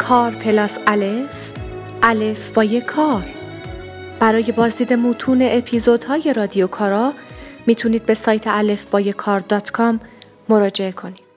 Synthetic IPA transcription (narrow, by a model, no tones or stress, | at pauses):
kʰɒːɾpʰe̞lɒːsælef | ʔælefb̥ɒːjekʰɒːɾ | b̥æɾɒːje̞bɒːzd̪iːd̪e̞muːt̪ʰuːne̞ʔepʰiːzo̞d̪hɒːje̞ɾɒːd̪ijokʰɒːɾɒːmiːt̪ʰuːniːd̪̚be̞sɒːjt̪ʰeʔæle̞fb̥ɒːjekʰɒːɾd̪ɒːt̪ʰkʰɒmː | o̞ɾɒːd͡ʒe̞ekʰo̞niːd̪̥